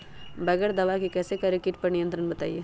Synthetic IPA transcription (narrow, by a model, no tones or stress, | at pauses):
bɛːɡəɾd̪ɐʋakikɛːsekɐɾekɪʈpɐɾnijə̃nt̪ɾənbɐt̪a̰ːiḛː